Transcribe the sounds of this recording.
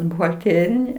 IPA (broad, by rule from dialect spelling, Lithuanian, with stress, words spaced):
bʊɣɐlʲˈtʲeːrʲɪnʲɪ